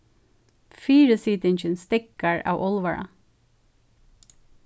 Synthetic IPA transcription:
fiːɹəsiːt̪ɪnçənst̪ɪkɑɹɑ̰ːʔɔlʋɑɹʔɑ̰

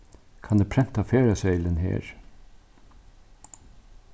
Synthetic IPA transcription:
kʰɑnd̪eːpʰɾɛnt̪ɑfeːɾɑsœɪlənhḛːɹ

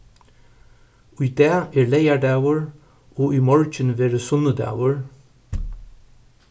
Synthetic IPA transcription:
ʉːd̪ɑːʔeːɹleɪæɖɑwəɹ | oːʔyːmɔɹcənʋeːɹəsʊnəd̪ɑ̰wəɹ

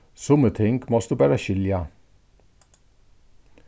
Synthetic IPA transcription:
sʊmət̪ʰɪŋɡmɔsd̪ʉːbæːɾəçʏljɑ

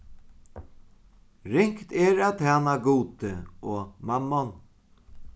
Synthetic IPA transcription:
ɾɪŋkt̪ɛɾæːt̪ʰæːnaɡuːt̪əɔːmamːɔn

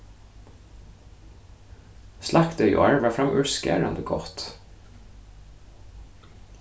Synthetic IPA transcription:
slʔɑkt̪œʏʔo̰ːæɹʋæːfɾɑmʔʉskæ̰ɹɑ̰nd̪əɡɔt̪

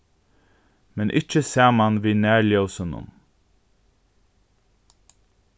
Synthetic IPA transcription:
mɛnʔɪ̰t͡ʃːəsæːmanʋiːnæːɹljɔwsənʊ̰n

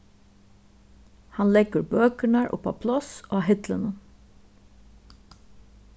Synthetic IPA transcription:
hɑnlɛɡəɾbøːkəɳɑɹʔʊ̰pɑ̰ːpʰlɔsoːɑːɦɪt̪lənə

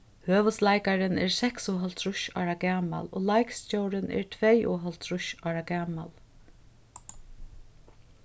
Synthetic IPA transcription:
høːʋəslajkaɾɪnɛ̰ɹsɛksʊɦɔlt̪ʰɾʊʃɔ̰ːɾaɡæːma̰lo̰ːlajkscɔwɾɪnɛ̰ɹt̪ʰvɛjʔɔːɦɔlt̪ʰɾʊʃɑːɾaɡæːma̰l

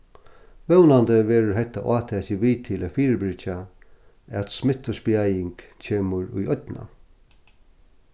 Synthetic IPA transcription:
ʋɛwnand̪əʋeːɾəɾɦɛt̪ːa̰ʔɑːt̪ʰɛːɕɪʋiːt̪ʰɪlʔæfiːɾəbɾɪt͡ʃa | æt̪smɪt̪ɔsbjajɪŋkt͡ɕʰeːməɹʊ̰jɔt̪na̰

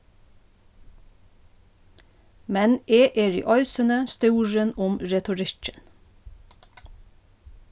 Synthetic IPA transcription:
mɛneːʔeːɹḭːʔɔʏsənəst̪uːɹənʊmɹɛt̪ʊɹɪt͡ʃən

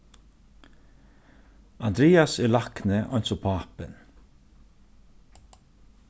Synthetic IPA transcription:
and̪ɾɛːasɛɾlaknɪʔɔjnsɔpʰaːpɪ̰n

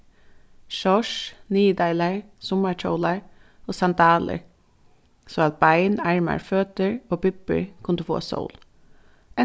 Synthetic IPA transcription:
ʃɔʂniːəd̪aɪlaɹ | sʊmaɹt͡ʃʰɔwlaɹ | oːsant̪aːlə̰ɹ | sɔaːt̪̚bajnaɹma̰ɹføːt̪əɹoːpɪpə̰ɹkʰʊnd̪əfo̰ːasɔ̰ʊl | ɛ

